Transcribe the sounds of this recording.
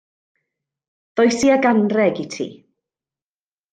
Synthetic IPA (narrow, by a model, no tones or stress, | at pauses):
ðɔjsiaɡanrɛɡitʰḭː